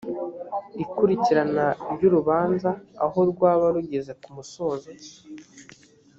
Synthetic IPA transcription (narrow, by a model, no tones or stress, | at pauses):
ikuɾiciɾanaɾɟuɾuβaːnza̰ːɦo̞ɾɡwaːβaɾuɟe̞ze̞kumuso̞ːzo